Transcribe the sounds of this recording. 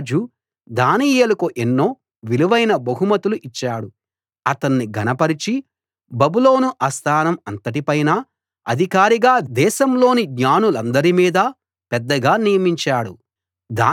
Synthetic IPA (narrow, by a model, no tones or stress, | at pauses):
d͡ʒu | d̪aːniːjelɐkuʔenːo̞ː | ʋiluʋɐjnɐbɐɦumɐt̪uluʔit͡ʃːaːɽu | ɐt̪ɐnːiɡʱɐnɐpɐɾit͡ʃi | bɐbulo̞ːnuʔɐst̪ʰaːnɐmɐnt̪ɐʈ̬ipɐjna | ɐd̪ʱikaːɾiɡaːd̪ɛːʃɐmlo̞ːniɡɲaːnulɐnd̪ɐɾimiːd̪ɐ | pɛd̪ːɐɡaːnijɐmiɲt͡ʃaːɽu | d̪aː